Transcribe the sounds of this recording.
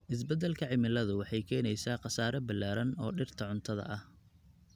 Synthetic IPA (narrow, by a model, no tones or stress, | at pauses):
ʔɪs̬bɛd̪ɛlkʰɐʕɪmɪlɐðʊwɑħɑjkʰɛːnɛjsaːqɑsaːɾɐbɐlaːɾɐnɔːɖɪrt̪ʰɐʕʊnt̪ʰɐðɐ̰ʔɐh